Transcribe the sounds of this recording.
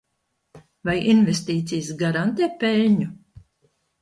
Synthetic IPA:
vajinvest̪iːt̪sijsɡaɾant̪ɛːpɛlʲɲu

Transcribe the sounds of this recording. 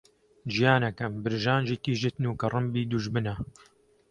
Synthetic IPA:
d͡ʒijaːnɐkɐmbɨɾʒaːnd͡ʒikiːʒɨt̪nuːkɐrˤɨmbiːd̪uʒbɨnɐ

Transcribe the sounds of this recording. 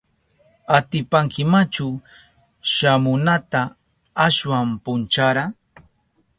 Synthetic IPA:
at̪ɪpaŋkɪmat͡ʃʊ | ʃamʊnat̪aː | swampʊnt͡ʃaɾa

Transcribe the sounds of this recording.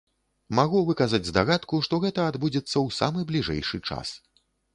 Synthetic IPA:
maɣuvɨkɐzad͡zʲzd̪aɣat̪kuʂt̪ɔɣɛt̪ɐːd̪bud͡zʲɛt̪sːɐwsa̰mɨblʲiʐɛ̰jʂɨt͡ʂa̰s

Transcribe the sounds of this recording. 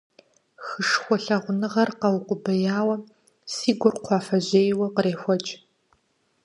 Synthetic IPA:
xɨʂxʷɔɬɐʁʷʊnɨʁɐrqɐwʊqʷʊbɐjaːwɐ | siːɡʷʊrqʷʰɑːfɐʑeːjwɐqəɾeːxʷɔt͡ʃʼ

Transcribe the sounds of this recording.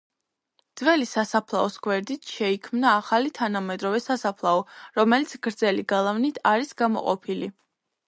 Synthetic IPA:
d̪zvɛlisasapʰlˠaɔsɡwɛɾd̪it̪ʰʃɛikʰmnaːχalit̪ʰanamɛd̪ɾɔvɛsasapʰlˠaɔɾɔmɛlit̪sʰɡ̥ɾd̪zɛliɡalˠavnit̪ʰaɾisɡamɔ̰qʼɔ̰pʰili

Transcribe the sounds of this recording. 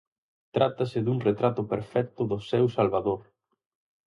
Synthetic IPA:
t̪ɾat̪ɐsɪðuŋret̪ɾat̪ʊpeɾfɛk̚t̪ʊðʊsɛwsalβaðoɾ

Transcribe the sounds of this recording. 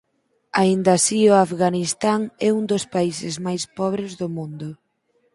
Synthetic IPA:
aind̪asiʊafɣanist̪aŋɛund̪ospaisɪzmajspɔβ̞ɾɪzðʊmũnd̪ʊ

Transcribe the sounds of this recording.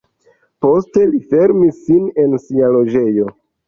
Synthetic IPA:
po̞ste̞life̞ɾmisːine̞nsialo̞d͡ʒe̞jo̞

